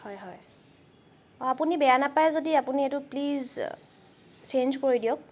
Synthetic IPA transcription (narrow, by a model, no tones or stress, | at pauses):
hɔjɦɔj | ɔapunibɛjanapajzodiapuniɛtʊpliz | t͡ʃʰenzkoɹidijɔk̚